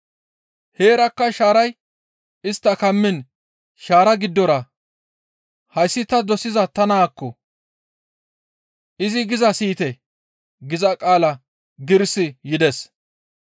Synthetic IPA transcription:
he̞ːɾɐkːɐʃaːɾɐj | ɪst̪ːɐkɐmːɪn | ʃaːɾɐɡɪd̪ːɔɾɐ | hɐjsːɪt̪ɐd̪ɔsɪzɐt̪ɐnaːkːɔ | ʔɪzɪɡɪzɐsiːt̪ɛ | ɡɪzɐkʼaːlɐ | ɡɪɾsɪjɪd̪ɛs

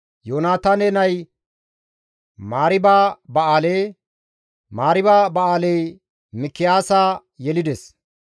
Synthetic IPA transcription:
joːnaːt̪aːnɛnɐj | maːɾɪbaːbɐʔaːleː | maːɾɪbaːbɐaːlɛj | mɪkːɪjaːsaː | jɛlɪd̪ɛs

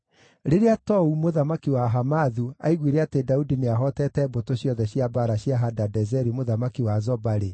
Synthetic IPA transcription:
ɾeɾeatɔumoðamakiwaɦamaðua̰iɣwiɾeatedaudineaɦɔtɛtɛbotoɕjɔðɛɕjabaɾaɕjaɦadadɛzɛɾimoðamakiwazɔbaɾe

